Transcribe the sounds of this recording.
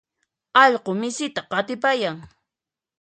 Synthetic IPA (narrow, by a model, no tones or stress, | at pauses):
ɑʎqomɪsɪt̪aqɑt̪ɪpajaŋ